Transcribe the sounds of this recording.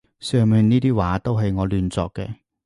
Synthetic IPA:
sœː˨˩mɛː˨˩nniː˥t̪iː˥waː˨˥t̪o˥wɦɐ˨jŋɔː˨˧lyː˨nt͡sɔ̰ː˨˧kːɛ̰ː˧

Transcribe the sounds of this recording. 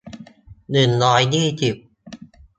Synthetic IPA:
nɯ˨˩nlɔː˨˦˥jniː˥˩t͡ɕi˨˩p̚

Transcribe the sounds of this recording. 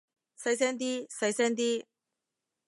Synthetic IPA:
sɐ˧jsɛː˥nt̪̬iː˥sɐ˧˥jsɛː˥nt̪̬iː˥

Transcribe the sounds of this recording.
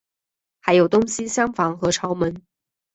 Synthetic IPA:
xa˧˥ɪjo˨˩ʊt̪ʊ˥ŋɕi˥ɕjɑ˥ŋfɑ˧˥ŋxɤ˧˥ʈ͡ʂʰɑ˨˧˥ʊmə˨˧˥n

